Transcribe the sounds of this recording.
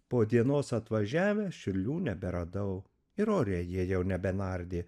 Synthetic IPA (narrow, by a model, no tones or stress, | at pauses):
poːd̪ʲiɛnoːsɐt̪ʋɐʒʲæːʋʲɛʃʲɪɾʲlʲuːnʲɛbʲɛɾɐd̪ɐʊ | ɪɾoːɾʲeːjiɛjɛʊnʲɛbʲɛnɐɾʲd̪ʲeː